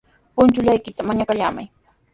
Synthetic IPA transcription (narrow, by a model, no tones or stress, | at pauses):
pʊnt͡ʃʊʎajkɪt̪amaɲakaʎaːma̰j